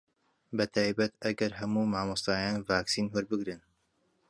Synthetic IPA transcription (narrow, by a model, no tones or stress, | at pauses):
bɐt̪ʰaːjbɐt̪ɐɡɐɾɦɐmuːmaːmɨst̪aːjaːnvaːksiːnwɐɾbɨɡɾɨn